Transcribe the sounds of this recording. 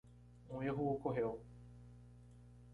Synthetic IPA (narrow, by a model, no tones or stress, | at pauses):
ũeɦuokoɦew